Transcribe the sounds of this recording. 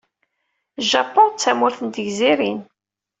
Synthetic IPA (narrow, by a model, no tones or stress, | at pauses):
ʒɑpɔnt͡sːæmʊɾθənt̪əʝziɾin